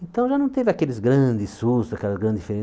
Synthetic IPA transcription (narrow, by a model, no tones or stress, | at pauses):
ẽnt̪ɐ̃w̃ʒanɐ̃w̃t̪evakelɪzɡɾɐ̃d̪ɪsust̪ʊzakɛlɐzɡɾɐ̃nd̪feɾẽ